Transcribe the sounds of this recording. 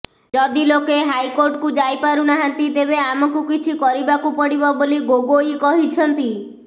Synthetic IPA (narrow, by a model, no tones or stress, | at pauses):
d͡ʒɔd̪ilokeɦajkoɾʈkud͡ʒajpaɾunaɦant̪it̪eβeamɔkukit͡ʃʰikɔɾibakupɔɽibɔboliɡoɡoikɔɦit͡ʃʰɔnt̪i